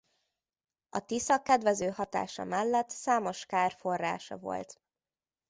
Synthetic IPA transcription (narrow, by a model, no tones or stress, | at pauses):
ɒt̪isɒkːɛd̪vɛzøːhɒt̪a̰ːʃɒ̰mɛlːɛt̪saːmo̞ʃkaːrfo̞rːa̰ːʃɒ̰vo̰lt̪